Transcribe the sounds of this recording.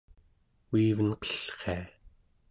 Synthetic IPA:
wiːvənqə̥ɬχea

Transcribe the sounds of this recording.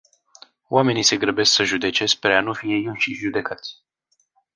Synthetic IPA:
w̰ame̞nise̞ɡɾəbesksəʒud̪e̞t͡ʃe̞s̚peɾeanufije̞jɨnʃiʒud̪e̞kat̪sʲ

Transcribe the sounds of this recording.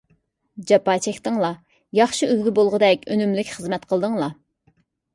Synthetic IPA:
d͡ʒɑpɑːt͡ʃʰɛkʲt̪ɨŋlˠɑ | jɑχʃiølɡʲibolˠʁəd̪ɛkʲønymlɪkʲχəzmɛt̪qʰəlˠd̪ɨŋlˠɑ

